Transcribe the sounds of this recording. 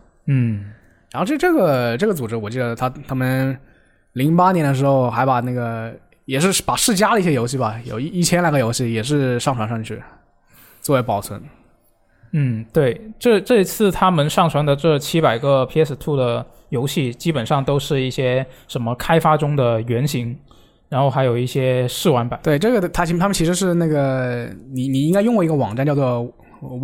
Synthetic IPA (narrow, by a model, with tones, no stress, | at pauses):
n̩˥˩ | ɻa˧˥xo˧ʊʈ͡ʂʈ͡ʂɤ˥˩ɡə˩ʈ͡ʂɤ˥˩ɡə˩t͡su˨˩ʈ͡ʂɻ̩˧˥wɔ˨˩t͡ɕi˥˩d̪ə˩ə˩t̪ʰa˥t̪ʰa˥mə˨n | li˧˥ŋpa˥njɛ˧˥nd̪ə˧ʂ̬ɻ̩˧˥xo˥˧ʊxa˧˥ɪpa˨˩na˥˩ɡə˩ | jɛ˨˩ʂɻ̩˥˧˥pa˨˩ʂɻ̩˥˩t͡ɕja˥lə˧i˥˩ɕjjo˧˥ʊɕ̬i˥˩bɐ˩jo̰˨˩ʊi˥˧i˥˩t͡ɕʰjɛ˥nla˧˥ɡə˧jo˧˥ʊɕi˥˩jɛ˨˩ʂ̬ɻ̩˥˧ʂɑ˥˩ŋʈ͡ʂʰwnʂɑ˥˧ŋt͡ɕʰy˥˩ | t͡swɔ˥˩we˧˥ɪpɑ˨˩ʊt͡sʰwə̰˧˥n | n̩˥˩t̪we˥˩ɪʈ͡ʂɤ˥˧ʈ͡ʂɤ˥˩˧i˧˥t͡sʰɹ̩˥˩t̪ʰa˥mə˨nʂɑ˥˩ŋʈ͡ʂʰwa˧˥nd̪ə˨ʈ͡ʂɤ˥˩t͡ɕʰi˥pa˨˩ɪɡə˧pʰi˥˧ɛ˥s̩˩t̪ʰu˥˩d̪ə˩ | jo˧˥ʊɕi˥˩t͡ɕi˥pə˨˩nʂɑ˥˩ŋt̪o˥ʊʂɻ̩˥˧i˥˩ɕjɛ˥ʂə˧˥nmə˧kʰa˥ɪfa˥ʈ͡ʂʊ˥ŋd̪ə˨ɥɛ˧˥nɕi˧˥ŋ | ɻa˧˥nxo˥˩ʊxa˧˥jo˨˩ʊi˥˩ɕjɛ˥ʂɻ̩˥˩wa˧˥npa˨˩˦t̪we˥˩ɪʈ͡ʂɤ˥˩ɡə˩t̪ʰa˥t͡ɕ̪ʰa˥ə˨nt͡ɕʰi˧˥ʂɻ̩˧˥ʂɻ̩˥˧na˥˩ɡə˩ni˨˩ni˨˩i˥ŋka˥o˥˧ŋwo˥˩i˧˥ɡə˧wɑ̰˨˩ŋʈ͡ʂa˥˧nt͡ɕjʊt͡swɔ˥˩